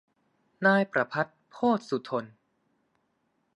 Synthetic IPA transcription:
naː˧jpɾa˧pʰa˦˥t̪̚pʰoː˥˩t̪̚su˨˩t̪ʰo˧n

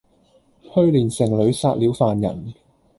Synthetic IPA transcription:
hɵ˥ɥliː˨˩nsɪ˨˩ŋlɵ˨˧ɥsaː˧t̚liː˨˥wfaː˨njɐ̰˨˩n

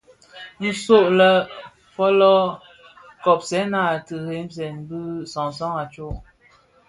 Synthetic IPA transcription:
ji˦so˦˨ʔlə˦ | fɔ˦lɔ˦ | kɔ˨p̚sɛ˨˦na˦˨tɨ˨he˨˦mz̬ɛ˨nbɨ˦sɔ˨ŋsɔ˦ŋa˨t͡ʃo˦˨ʔ

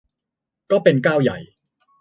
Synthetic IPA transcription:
kɔː˥˩pe˧nkaː˥˩wja̰˨˩j

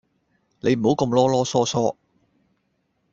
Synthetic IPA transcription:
ne˨˧jm̩˨˩ho˨˥wkɐ˧mlɔː˥lɔː˥sɔː˥sɔː˥

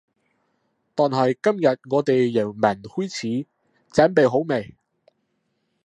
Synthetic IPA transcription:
t̪ɔː˨nɦɐ˨˩jkɐ˥mjɐ˨t̚ŋɔː˨˧t̪e˨jːɐ˨˩wmɐ˨˩nhuː˥jt͡sʰiː˨˥ | t͡sɐː˨˥npe˨jɦo˨˥wme˨j

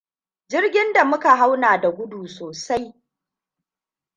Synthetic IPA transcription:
d͡ʒɪ˦rɡʲɪ˦nda˨mʊ˦ka˨ɦa˦wnaː˨da˨ɡʷʊ˦duː˨soː˨sa˦j

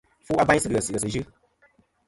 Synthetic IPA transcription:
fu˦a˦ba˦sɨ˦ɨ˨ə˨sɨ˨ə˨sɨ˨ʒɨ˦

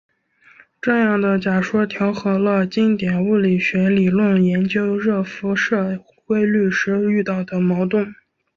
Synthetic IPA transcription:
ʈ͡ʂɤ˥˧jɑ˥˩ŋd̪ə˩t͡ɕja˨˩ʂwɔ˥t̪ʰjɑ˧˥ʊxɤ˧˥lə˧t͡ɕi˥ŋt̪jɛ˨˩nu˥˩li˨˩ɕɥɛ˧˥li˨˩lwʊ˥˩ŋjɛ˧˥nt͡ɕjo˥ʊɻɤ˥˩fu˧˥ʂɤ˥˩ | kwe˥ɪly˥˩ʂɻ̩˥y˥˧t̪ɑ˥˩ʊd̪ə˩mɑ˧˥ʊt̪ʊ˥˩n

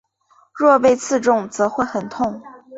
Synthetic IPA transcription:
ɻwɔ˥˧pe˥˧ɪt͡sʰɹ̩˥˧ʈ͡ʂʊ˥˩ŋt͡sɤ˧˥xwe˥˩xə˨˩nt̪ʰʊ˥˩ŋ

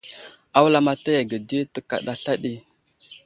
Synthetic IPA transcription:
a˦wla˦ma˦ta˦ja˨ɡə˨di˦tə˦ka̰˨ɗa˦ɬa˦ɗi˦

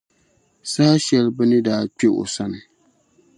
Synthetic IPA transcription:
sa˦ha˦ʃɛ˦lbɨ˦nɨ˦daː˦k͡pe˦ʔo̰˨sa˦nɨ˨

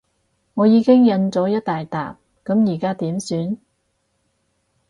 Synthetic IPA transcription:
ŋɔː˨˧jiː˨˧kɪ˥ŋjɐ˧nt͡sɔː˨˥jɐ˥t̚t̪aː˨jt̪a̰ː˨˩p̚ | kɐ˨˥mjiː˨˩kaː˥t̪iː˨˥msyː˨˥n

